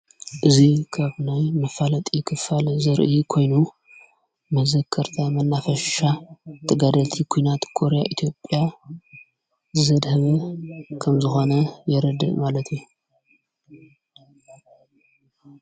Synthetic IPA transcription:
ʔɨzikʰaβnajmɐfalɐt̪ʼikʰɨfalzɐɾʔjikʰo̞jnu | mɐzɐkʰːɐɾt̪ʰamɐnːafɐʃat̪ʰɐɡad̪ɐlt̪ʰikʰujnat̪kʰo̞ɾejaʔit̪ʰijo̞pʼːja | zɐd̪hɐβɐkʰɐmzɨxo̞nɐjɛɾɐd̪ɨ̰ʔmalɐt̪ʰiju

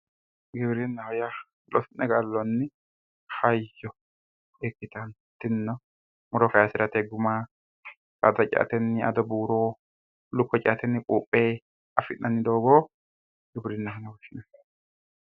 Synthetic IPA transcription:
ɡɪbɾɪnːɐhɔja | lɔsɪnːɛɡalːɔnːɪ | hɐjːɔ | ekːɪt̪ɐn | t̪ɪnːɔ | mʊɾɔkɐjasɪɾɐt̪eɡʊma | ka̰d̪ɐt͡ʃʼa̰t̪ɛnːɪɐ̰d̪ɔbuːɾoː | lʊkːɔt͡ʃʼa̰ːt̪ɛnːɪkʼuːpʼːeː | ɐfɪʔʔɐnːɪd̪oːɡoː | ɡɪbɾɪnːɐkɐnɐbɔʃːɪnɐ

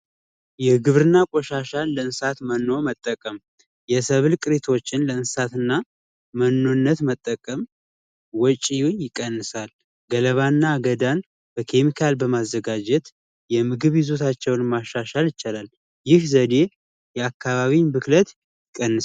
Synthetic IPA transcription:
jɛɡɨβɾɨnːakʼoʃaʃalləɨnsat̪mənːo̞mət̪ʼːəkʼəm | jɛsəβɨlkʼɨɾet̪ʰo̞t͡ʃːɪnləɨnsat̪ɨnːa | mənːonːət̪mət̪ʼːəkʼəm | wɔt͡ʃʼːijujɪkʼːənːɨsal | ɡələβanːaɡəd̪an | b̥əkʰe̞mikʰalbəmazːəɡad͡ʒɛt̪ | jɛmɨɡɨβjɪzot̪ʰat͡ʃːɛwnmaʃːaʃaljɪt͡ʃalal | jɪhzəd̪e̞ | jɛakʰːaβaβinbɨklət̪ | jjɪkʼːənːɨ

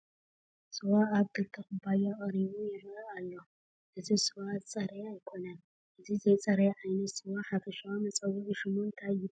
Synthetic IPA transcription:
sɨwaaβkɨlt̪ʰɐxɨbajaχʼɐɾiβujɪβalːo̞ | ʔɨzisɨwat͡sʼɐɾeajkʰo̞nan | ʔɨzizɐjt͡sʼɐɾeʕajnɐt̪sɨwaħafɐʃawamɐt͡sʼɐwuʔiʃɪmont̪ʰajɪb

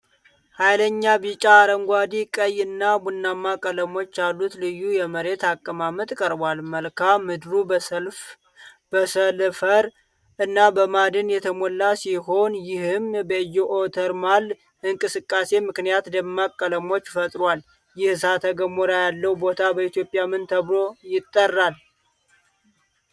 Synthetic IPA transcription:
hajləɲːabit͡ʃʼaːɾəŋɡʷad̪ikʼəjɨnːabunːamːakʼələmo̞t͡ʃːjalːut̪lɨjːujɛməɾe̞t̪akʼːəmamət̪ʼkʼəɾbalməlkʰamːɨd̪ɾuf | bəsəlfəɾ | ɨnːabəmad̪ɨnjɛt̪ʰəmolːasiɦo̞njɪhɨmbəjːɛʔot̪ʰəɾmalː | ɨŋkʼɨsɨkʼːase̞mɨknijat̪d̪əmːakʼːələmo̞t͡ʃːfət̪ʼɾwal | jɪhsat̪ʰəɡəmoɾajalːəwbo̞t̪ʰabəit̪jo̞pʼjamɨnt̪ʰəβlo̞jɪt̪ʼːərːal

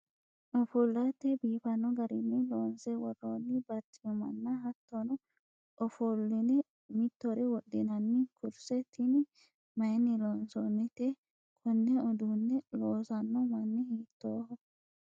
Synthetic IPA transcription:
ʔɔfulːat̪ːɛbiːfɐnːɔɡɐɾɪnːɪloːnsɛwɔrːoːnːɪbɐt̪ːɪmɛmɐ̰nːɐɦɐt̪ːɔnɔ | ʔɔfulːɪnɛ | mɪt̪ːɔɾɛwɔɗɪnɐnːɪkʊɾsɛt̪ʰːɪnɪ | mɐjɛnːɪloːnsonːɛt̪e | kʰɔnːɛɔd̪uːnːɛloːsɐnːɔmɐnːɛhiːt̪ːoːhɔ

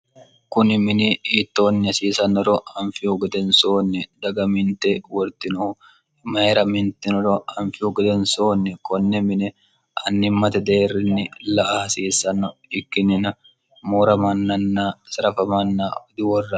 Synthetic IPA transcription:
kʊnɪmɪnɪiːt̪ːo̞ːnːɪɐsiːsɐnɔɾɔhɐnfɪʊɡɛd̪ɛnsoːnːɛd̪ɐɡɐmɪnt̪ɛwɔɾt̪ɪnʊ | mɐhɛɾɐmɪnt̪ɛnɔɾɔhɐnfɪʊɡɛd̪ɛnsoːnːɛkɔnːɛmɪnɛ | ɐnːɪmːɐt̪ɐd̪eːrːɪnːɪlɐʔaɐsiːsɐnɐɪkːɪnɪnɐ | moːɾɐmɐnːɐnːaːsɐɾɐfɐmɐnːaːd̪ɪwɔrːɐ

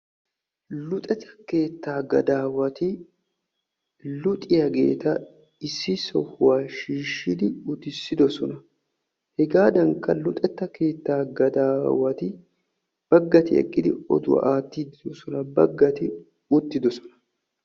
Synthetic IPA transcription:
lʊt̪ʼɛt̪ːɐ̥ke̞ːt̪ːaːɡɐd̪aːwɐt̪ɪ | lʊt̪ʼɪjɐɡe̞̰ːt̪ɐ | ɪsːɪsɔhʊwaːʃiːʃɪd̪ɪʊt̪ɪsːɪd̪ɔsɔnɐ | hɛɡaːd̪ɐŋkːɐlʊt̪ʼɛt̪ːɐke̞ːt̪ːaːɡɐd̪aːwɐt̪ɪ | b̥ɐɡːɐt̪ɪɛ̰kʼːɪd̪ɪɔ̰d̪ʊwɐ̰ʔaːt̪ːiːd̪ɪd̪ɔsɔnɐbɐɡːɐt̪ɪ | ʊt̪ːɪd̪ɔsɔ̥nɐ̥

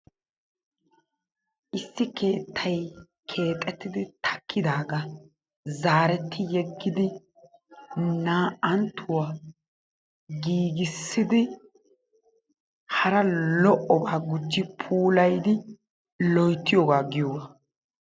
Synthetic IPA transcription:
ʔɪsːɪkʰe̞ːt̪ʰːɐj | kʰe̞ːt̪ʼːɛt̪ːɪd̪ɪt̪ʰɐ̥kːɪd̪aːɡɐ | zaːɾɛt̪ʰːɪjɛɡːɪd̪ɪ | naːʔɐnt̪ʰːʊwa | ɡiːɡɪsːɪd̪ɪ | hɐɾɐlɔʔɔbaːɡʊd͡ʒːɪpʰuːlɐjd̪ɪ | lɔjt̪ːɪjɔɡaːɡɪjɔwɐ

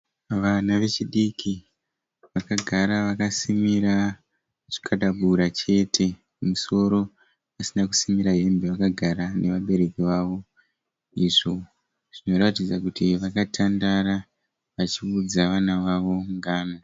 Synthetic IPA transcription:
ʋanaʋe̞t͡ʃiɗikʰi | ʋakaɡʱaɾaʋakasimiɾa | ʐi̥kʰaɗaɓuɾat͡ʃe̞ːtʰe̞ | muso̞ɾo̞ | pasinakusimiɾaɦembeʋakaɡʱaɾane̞ʋaɓe̞ɾe̞kiʋaʋo̞ | iʐo | ʐ̥ino̞ɾatid͡zakutiʋakatʰandaɾa | ʋat͡ʃiud͡zaʋanaʋaʋo̞ŋɡaːno

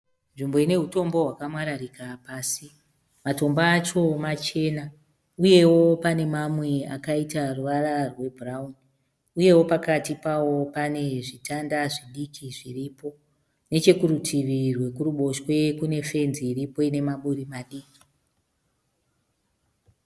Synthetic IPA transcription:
nʐimbo̞ine̞ɦuto̞mbo̞ɦwakamwaɾarikapaːsi | mato̞mbaːt͡ʃo̞mat͡ʃe̞na | uje̞wo̞pane̞mamwe̞a̰kaitaruʋararwe̞braun | uje̞wo̞pakatipawo̞pane̞ʐitʰandaʐiɗikiʐiriːpo̞ | ne̞t͡ʃe̞kuɾutʰiʋirwe̞kuruɓo̞ʃwe̞kune̞fe̞nziːɾipo̞ine̞maɓuɾimaɗiːki̥

